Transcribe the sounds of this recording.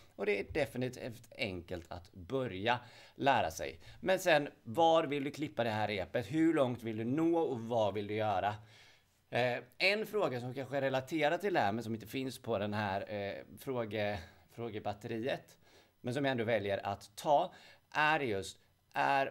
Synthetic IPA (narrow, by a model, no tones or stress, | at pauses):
ɔd̪ɛæɖɛfɪnɪt̪ːt̪ʰift̪ɛ̰ŋkəlt̪ʰa̰t̪bœɾjalæːɾa̰sɛ̰jmɛnsɛnvɑɾvɪld̪ɵkʰlɪpːad̪ɛɦæːɾeːpət̪ɦhɵɭɔŋt̪vɪld̪ɵnoːɔvɑvɪld̪ɵjœːɾa | ɛnfɾoːɡasɔmkʰanɧəɛɾɛlat̪ʰeːɾat̪ɪld̪ɛhæːɾmɛnsɔmɪnt̪əfɪnspʰɔd̪ɛnɦæːɾfɾoːɡə | fɾoːɡəbat̪ːəɾiːət̪ | mɛnsɔmjaɛnd̪oːvɛljəɾʔa̰t̪ʰːɑːʔæɖjɵst̪ | ʔæɾ